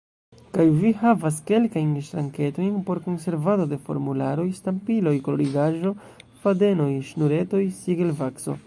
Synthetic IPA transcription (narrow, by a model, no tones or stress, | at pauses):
kajvihavas̬ke̞lkajnʃtɾaŋke̞to̞jnpo̞ɾko̞nse̞ɾvado̞de̞fo̞̰ɾmulaɾo̞jstampilo̞jkoloɾiɡaʒo̞ | fade̞no̞jʃnuɾe̞to̞jsiɡelvakso̞̰